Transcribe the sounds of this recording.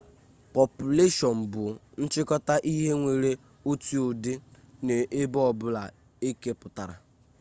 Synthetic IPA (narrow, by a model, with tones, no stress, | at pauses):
pɔ˨pu˨le˦ʃɔ˨m̩˨bʊ˨n̩˦t͡ʃɪ˦kɔ˦ta˦ʔi˦ɦe˦ŋʷe˨ɾe˦ | o˦ti˦o˨de˦ | ne˨ʔe˦bɔ˦˨bʊ˦la˨ | e˦ke˦pʊ˨ta˨ɾa̰˨